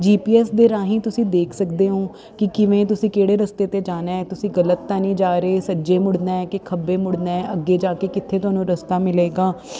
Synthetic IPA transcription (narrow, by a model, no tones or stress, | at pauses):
d͡ʒiːpiːɛːsd̪eːɾaːɦĩːt̪ʊsĩːd̪eːkʰsəkd̪eːɦõː | kɪkɪʋẽːt̪ʊsĩːkeːɽeːɾəst̪eːt̪eːd͡ʒaːnaːɛːt̪ʊsĩːɡələt̪ːãːnĩːd͡ʒaːɾeːsəd͡ʒeːmʊɽneːkɪkʰəbeːmʊɽneːəɡːeːd͡ʒaːkeːkɪt̪ʰːeːt̪ʊaːnũːɾəst̪aːmɪleːɡaː